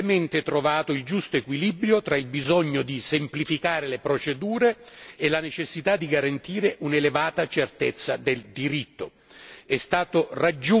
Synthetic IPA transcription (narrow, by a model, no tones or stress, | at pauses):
ment̪et̪ɾovaːt̪oild͡ʒust̪oekwilibɾjot̪ɾailbizɔɲːod̪isemplifikaːɾelepɾot͡ʃed̪uːɾeːlanet͡ʃesːit̪ad̪ːiɡaɾant̪iːɾeʔunelevaːt̪at͡ʃert̪et̪sːad̪eld̪iɾit̪ːo | ɛst̪aːt̪orad͡ʒːu